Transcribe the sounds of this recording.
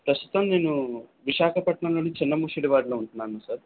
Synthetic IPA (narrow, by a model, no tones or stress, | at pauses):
pɾɐst̪u̥t̪ɐmne̞ːnuʋiʃaːkʰɐpɐʈɳɐnloːnːit͡ʃinːɐmuːʂiɽiʋaːɽloːuɳʈunːaːnusɐɾ